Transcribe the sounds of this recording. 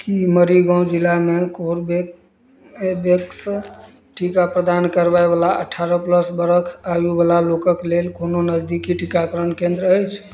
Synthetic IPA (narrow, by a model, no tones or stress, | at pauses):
kiməɾiɡãw̃d͡ʒilamekoɾbe | beks | ʈikapɾəd̪ankəɾbaebalaʔəʈʰːaɾəpləsbəɾəkʰajubalalokəklelkononəd͡ʒd̪ikiʈikakəɾənkẽnd̪ɾəəjt͡ʃʰ